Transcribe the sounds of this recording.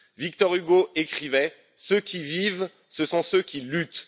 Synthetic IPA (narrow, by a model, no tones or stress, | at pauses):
vik̚t̪ɔʁyɡoekχivɛ | søkʲiviv | səsɔ̃søkʲilyt̪